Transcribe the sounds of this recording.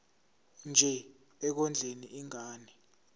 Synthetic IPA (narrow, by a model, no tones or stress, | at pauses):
nd͡ʒʱɛ | ɛk̬ɔnd͡ɮʱeniʔiŋaːnɛ